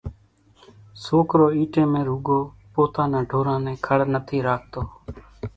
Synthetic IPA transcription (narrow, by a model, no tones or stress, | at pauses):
soːkɾoːiːʈẽːmẽːɾuːɡoː | poːt̪ãːnãːɖʱoːɾãːnẽːkʰəɽnət̪ʰiːɾaːk̚ʰt̪oː